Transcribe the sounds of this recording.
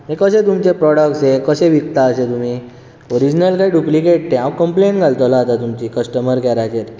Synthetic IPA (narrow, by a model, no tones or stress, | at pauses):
mekəsẽt̪umt͡ɕepɾɔɽəkʈsekəsẽʋik̚t̪aəset̪um̤i | oɾid͡ʑnəlkajɖuplikeʈ̚t̪ẽãʋkəmpleɳʈɡʱalt̪olaat̪at̪umt͡ɕikəsʈəməɾkɛɾat͡ɕeɾ